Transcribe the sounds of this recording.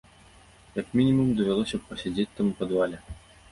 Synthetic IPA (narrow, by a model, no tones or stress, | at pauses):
jɐkmʲinʲimumd̪ɐvʲalˠɔsʲɐpːɐsʲad͡zʲet͡sʲt̪amupɐd̪valʲɛ